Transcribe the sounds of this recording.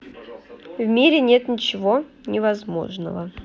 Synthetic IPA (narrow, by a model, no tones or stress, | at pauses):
vmʲiɾʲɪnʲet̪nʲɪt͡ɕɪvo | nʲɪvɐzmo̞̰ʐnə̰və